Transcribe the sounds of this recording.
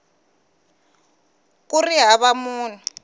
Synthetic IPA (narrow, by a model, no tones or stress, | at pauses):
kuriɦaβamuːnu